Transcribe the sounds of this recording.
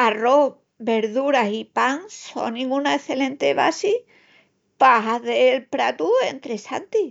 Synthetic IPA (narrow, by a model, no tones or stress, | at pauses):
aro | βe̞ɾðuɾasipaŋso̞̰ŋnĩŋɡunaeθe̞lẽ̞nt̪e̞βa̰si | paɦaðelpɾa̰t̪ue̞nt̪ɾe̞sa̰nt̪i